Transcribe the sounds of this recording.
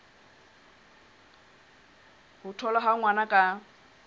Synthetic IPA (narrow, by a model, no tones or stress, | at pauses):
hʊtʰɔlaɦaŋwanakʼa